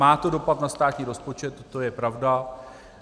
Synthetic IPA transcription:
aːt̪o̞do̞pat̪nast̪aːt̪ɲiːɾo̞spo̞t͡ʃɛt̪ːo̞jɛpɾavda

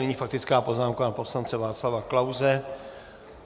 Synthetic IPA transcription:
ɛɲiːfak̚t̪ɪt͡skaːpo̞znaːmkanapo̞slant͡sɛvaːt͡slavaklawzɛ

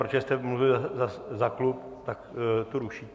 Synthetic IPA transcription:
ɾot͡ʃɛst̪ɛmluvɪlzazaklup | t̪akt̪oɾuʃiː

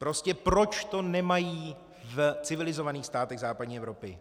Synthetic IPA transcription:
pɾo̞scɛpɾo̞t͡ʃt̪o̞nɛmajiː | vt͡sɪvɪlɪzo̞vaniːxst̪aːt̪ɛɣzaːpadɲiːɛvɾo̞pɪ̰

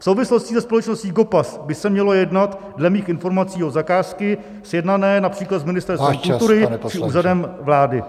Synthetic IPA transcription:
fsowvɪslo̞scɪsɛspo̞lɛt͡ʃnosciːɡo̞pasbɪsɛmɲɛlo̞jɛdnat̪ | dlɛmiːxɪnfo̞ɾmat͡siːozakaːskɪ | sjɛdnanɛːnapr̝̥iːklat̪zmɪnɪst̪ɛɾst̪vɛɛmult̪uɾɪt͡ʃɪʔuːzadɛmvlaːdɪ̰

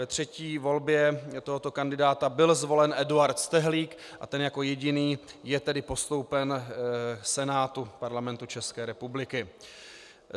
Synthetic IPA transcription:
vɛt̪r̝̥ɛciːvo̞lbjɛt̪oɦo̞t̪o̞kandɪdaːt̪abɪlzvo̞lɛnʔɛduaɾt̪st̪ɛɦliːk | ʔa̰t̪ɛnjako̞jɛɟɪniːjɛt̪ɛdɪpo̞st̪o̞wpɛn | sɛnaːt̪upaɾlamɛnt̪ut͡ʃɛskɛːɾɛpublɪkɪ

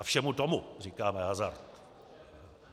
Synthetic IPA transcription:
fʃɛmut̪omurikaːmɛɦazart̪

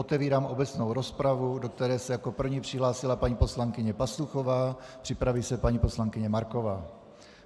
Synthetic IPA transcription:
ot̪ɛviːɾaːmʔo̞bɛt͡sno̞wɾo̞spɾavudo̞k̚t̪ɛɾɛːsɛjako̞pr̩vɲiːpr̝̥ɪɦlaːsɪlapaɲiːpo̞slaŋkɪɲɛpasluxo̞vaːpr̥ɪpɾaviːsɛpaɲiːpo̞slaŋkɪɲɛmaɾko̞vaː

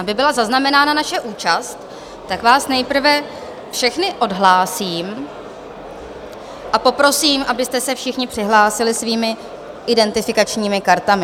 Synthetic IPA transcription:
ʔabɪbɪlazaznamɛnaːnanaʃɛʔuːt͡ʃast̪ː | akvaːsnɛjpr̩vɛ | fʃɛxnɪʔo̞dɦlaːsiːm | ʔapo̞pɾo̞siːmʔabɪst̪ɛsɛfʃɪxɲɪpr̥ɪɦlaːsɪlɪsviːmɪ | ʔɪdɛnt̪ɪfɪkat͡ʃɲiːmɪkaɾt̪amɪ

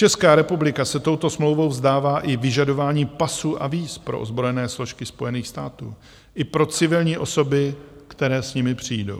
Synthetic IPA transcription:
t͡ʃɛskaːɾɛpublɪkasɛt̪o̞wt̪o̞smlo̞wvo̞wzdaːvaːʔɪvɪʒado̞vaːɲiːpasuːʔa̰viːspɾoʔo̰zbɾo̞jɛnɛːslo̞ʃkɪspo̞jɛniːxst̪aːt̪ṵː | ʔɪpɾo̞t͡sɪvɪlɲiːʔo̞so̞bɪkt̪ɛɾɛːsɲɪmɪpr̝̥ijdo̞̰w

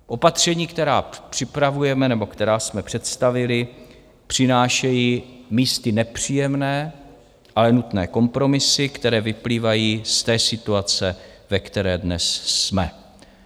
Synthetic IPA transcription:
ʔo̞pat̪r̝̥ɛɲiːkt̪ɛɾaːpr̥ɪpɾavujɛmɛnɛbo̞kt̪ɛɾaːsmɛpr̥ɛt̪st̪avɪlɪ | pr̝̥ɪnaːʃɛjiːmiːst̪ɪnɛpr̝̥iːjɛmnɛː | ʔalɛnut̪nɛ̰ːko̞mpɾo̞mɪsɪkt̪ɛɾɛːvɪpliːvajiːst̪ɛːsɪt̪uat͡sɛvɛkt̪ɛɾɛːdnɛ̰sːmɛ

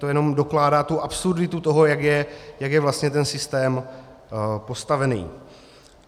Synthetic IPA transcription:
t̪ojɛno̞mdo̞klaːdaːt̪uʔapsurdɪt̪ut̪o̞ɦo̞jakjɛjakjɛvlast̪ɲɛt̪ɛnsɪst̪ɛːm | po̞st̪avɛnḭː

